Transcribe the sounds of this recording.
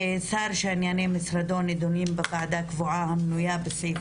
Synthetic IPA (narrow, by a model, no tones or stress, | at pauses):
esaːɾʃanjanemɪsɾad̪oːnid̪unimbɪqaʕd̪akvʊʕaːhamnujaːbɪsi